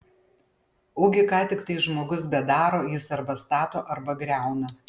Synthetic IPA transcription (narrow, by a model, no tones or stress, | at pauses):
uːɡʲɪkɑːt̪ʲɪkt̪ɐɪʒmoːɡʊsbʲɛd̪ɑːɾoːjɪsɐɾbɐst̪ɑːt̪oːʔɐɾbɐɡɾʲæˑʊnɐ